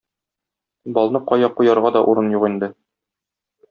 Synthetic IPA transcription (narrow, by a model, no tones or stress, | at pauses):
bɒlˠnɤqɒjɑqujɑɾʁɑd̪ɒʔuɾɤnjuqind̪ɘ